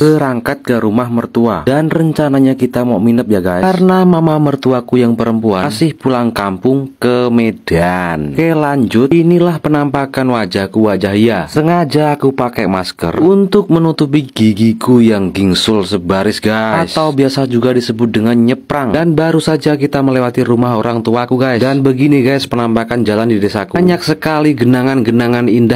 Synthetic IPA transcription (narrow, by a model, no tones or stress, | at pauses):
səɾaŋkat̪̚kəɾumahmərt̪uadanrəɲt͡ʃanaɲakit̪amɔʔminəp̚jaɡaiarnamamamərt̪uakujaŋpəɾəmpuansɪhpulaŋkampʊŋkəmedankəlaɲd͡ʒʊt̪inilahpənampakanwad͡ʒahkuwad͡ʒaɦijasəŋad͡ʒaːkupakɛmaskə̰runt̪ʊk̚mənut̪up̬iɡ̥iɡikujaŋɡiŋsʊlsəbaɾɪsɡaasawbiasad͡ʒuɡadisəbʊt̪̚dəŋanɲəpɾaŋdanbaɾusad͡ʒakit̪aməlewat̪iɾumaɦoɾaŋt̪uakuɡajdanbəɡiniɡajspənampakand͡ʒalandidesakuɲak̚səkaliɡənaŋanɡənaŋaninda